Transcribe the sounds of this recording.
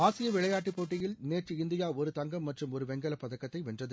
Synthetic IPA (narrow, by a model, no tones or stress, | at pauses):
aːsɪjɐʋɪɭɐjaːʈːɯpːoːʈːɪjɪlneːʈɯɪnd̪ɪjaːɔɾɯt̪ɐŋɡɐmːɐʈrɯmɔɾɯʋɛŋɡɐlɐpːɐðɐkːɐt̪ːɐɪʋɛndrɐðɯ